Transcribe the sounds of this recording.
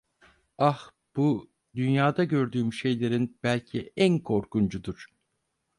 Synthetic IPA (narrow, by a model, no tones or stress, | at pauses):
ax | b̥u | d̪ynjaːd̪aɟø̞ɾd̪yːmyʃe̞jlʲe̞ɾinb̥ælʲcʰiænkʰo̞ɾkund͡ʒud̪uɾ̥